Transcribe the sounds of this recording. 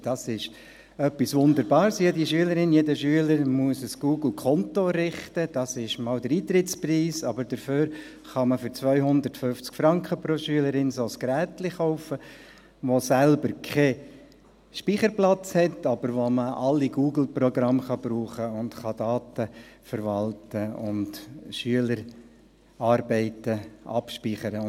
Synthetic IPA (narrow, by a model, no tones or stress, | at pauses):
d̥ɑsɪʃ | œpːisʋʊnd̪əɾbɑːɾsjediʃyələɾɪnjedəʃyələɾmuəsəsɡ̥uːɡl̩kʰɔntoɾɪχtəd̥ɑsɪʃmɑːldəɾiːt̪ɾɪtt͡spriːsɑbəɾd̥əføːɾ | χɑməfʏɾt͡sʋœʏɦʊnd̪əɾtføft͡skfɾɑŋkχəpɾoʃyələɾɪnsoskɾæːtlɪχɔʊfə | ʋosælbəɾkʰɛ | ʃpiχəɾplɑt͡shɛtɑb̥əɾʋoməɑlːiɡ̥uːɡl̩pɾɔɡɾɑmχɑb̥ɾuːχəʊntχɑdɑːtəfəɾʋɑltəʊ̰ntʃyələɾ | ɑːɾbɛɪtəɑ̰pʃpiχəɾə